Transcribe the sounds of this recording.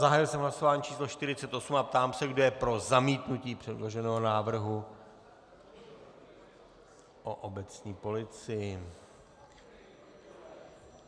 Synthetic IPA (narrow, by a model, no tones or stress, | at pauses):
zaɦaːjɪlsɛmɦlaso̞vaːɲiːt͡ʃʰiːslo̞ʃt̪ɪɾɪt͡sɛt̪ʔo̞sumap̚t̪aːmsɛɡdo̞jɛpɾo̞zamiːt̪nuciːpr̥ɛdlo̞ʒɛnɛːɦonaːvr̩ɦu | ʔoʔobɛt͡sɲiːpo̞lɪt͡sɪjɪ